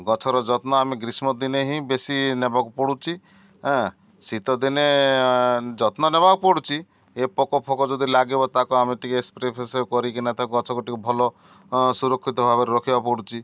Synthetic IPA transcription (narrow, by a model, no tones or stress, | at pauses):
ɡɔt͡ʃʰɔɾɔd͡ʒɔt̪nɔameɡɾismɔd̪ineɦĩbesinebakupɔɽut͡ʃʰĩ | sit̪ɔd̪ine | d͡ʒɔt̪nɔnebakɔpɔɽut͡ʃʰi | epɔkɔpʰɔkɔd͡ʒɔd̪ilaɡebɔt̪akɔameʈ̪ikeespɾepʰesekɔɾikinat̪ʰakɔɡɔt͡ʃʰɔkɔʈikubʱɔlɔ | suɾɔkʰːit̪ɔbʱabɔɾeɾɔkʰibapɔɽut͡ʃʰi